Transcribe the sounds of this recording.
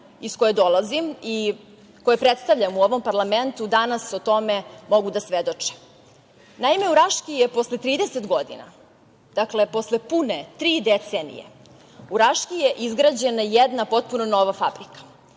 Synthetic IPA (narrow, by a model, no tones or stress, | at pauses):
iskojed̪o̞lˠazimi | ko̞jepɾet̪st̪aʋʎamuoʋo̞mpaɾlˠame̞nt̪ud̪anasot̪o̞me̞mo̞ɡud̪asʋed̪o̞t͡ʂe̥ | naime̞uɾaʃkijepo̞slet̪ɾiːd̪eset̪ɡo̞d̪ḭna̰ | d̪̥akle̞po̞slepunet̪ɾiːd̪et̪senḭjḛ | uɾaʃkijeʔizɡɾad͡ʑenajed̪napo̞t̪̚punono̞ʋafabɾikḁ